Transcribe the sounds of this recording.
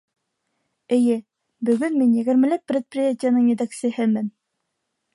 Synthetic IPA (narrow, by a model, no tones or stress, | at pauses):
ɘ̆jɘ | bɵ̆ɡɵnminjɘ̆ɡɘ̆ɾmɘ̆lɘp̚ːrʲet̪̚prʲɪjatʲɪjanɤɴjɘ̆t̪æksɘ̆hɘmɘn